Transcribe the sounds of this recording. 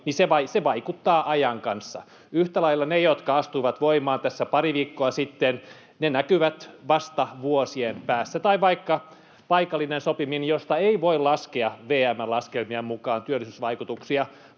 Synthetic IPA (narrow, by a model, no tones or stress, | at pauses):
niseʋɑiseʋɑikut̪ːɑːʔɑjɑŋkɑnsːɑ̰ | yht̪ælɑilːɑnejot̪kɑɑst̪uiʋɑt̪ʋoimɑːnt̪æsːæpɑriʋiːkːoɑsit̪ːen | nenækyʋæt̪ʋɑst̪ɑʋuosienpæːsːæt̪ɑiʋɑikːɑ | pɑikɑlːinensopiminjost̪ɑeiʋoilɑskeɑʋeːæmːælɑskelmiɑmmukɑːnt̪yølːˑisysʋɑikut̪uksiɑ